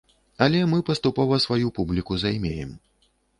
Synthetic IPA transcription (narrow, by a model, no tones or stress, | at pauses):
ɐlʲɛmɨpɐst̪upɔvɐsvajupublʲikuzajmʲejɛ̰m